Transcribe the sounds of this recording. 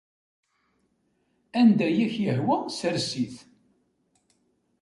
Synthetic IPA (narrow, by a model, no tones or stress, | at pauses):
ænd̪æjæçjəhwəsəɾsiθ